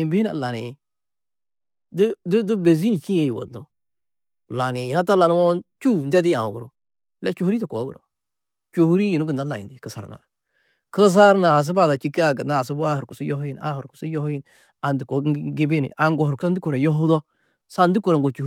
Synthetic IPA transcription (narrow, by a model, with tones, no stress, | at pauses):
ɪ˨mbi˦na̰˨la˨nɪ˨˦ | dddu˦be˨zi˦ni˨kĩ˦e˨ji˨wo̰˨dnɔ˦˨ | la˨nɪ˨ji˨na˦ta˦la˨n˦wɔ˦nt͡ʃu˦n˦dɛ˦di˦ja̰˨ɡṵ˨ɾṵ˨ | lɛ˦t͡ʃu˦hu˦ɾi˦ta˨ko˨˦ɡṵ˨ɾo̰˨ | t͡ʃo˨hɾi˦ji˨nu˦ɡə˨nda˦la˨jḭ˨ndi˨˦kə˦sa̰˨ɾna̰˨ | kə˦s̬a˦ɾna˨s̬i˦ba˦˨da˨t͡ʃi˦ki˦a˦ɡə˨na˨s̬ɪ˦bu˦a˦hʊ˨ɾku˨si˦jɔ˦hji˦n˦a̰˦hʊ˨ɾku̥˨si˦jɔ˦hji˦n | a˨ndi˨ko˨˦ɡɪ˦bɪ˦nɪ̰˨ʔa˨ŋɡɔ˨hɾka˦n˦di˦ku˨ɾɛ˨jɔ˦ɦʊ˦dɔ˦ | sa˦ndi˦ku˨ɾɛ˨ɡo˨t͡ʃu˨